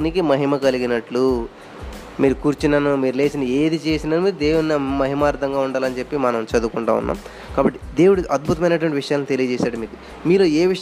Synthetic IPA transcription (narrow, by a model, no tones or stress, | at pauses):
nikimɐɦimɐkɐliɡinɐʈlu | miːɾukuːɾt͡ʃinɐnumiːɾule̞ːsinie̞ːd̪it͡ʃe̞ːsinaːnmiːɾud̪e̞ːwuɽnɐmɐɦimaːɾd̪ɐŋɡaːuɳɖaːlɐnt͡ʃe̞pːimɐnɐmt͡ʃɐd̪ukuɳʈa̰ːṵnːa̰ːm | kaːbɐʈːi̥d̪e̞ːwuɽiʔɐd̪̚bʱut̪ɐmɐjnɐʈ̬ʋɐɳʈiʋiʂɐjaːlnit̪elijɐd͡ʒɛːʃaːɽɐmiːku | miːɾoːe̞ːʋiʂ